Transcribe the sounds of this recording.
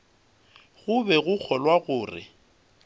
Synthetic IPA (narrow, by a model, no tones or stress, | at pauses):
ɣʊbɛɣʊk͡xʰɔlwaɣʊːrɪ̰